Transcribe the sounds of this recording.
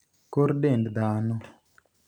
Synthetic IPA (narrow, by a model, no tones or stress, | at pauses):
koɾdendd̪anɔ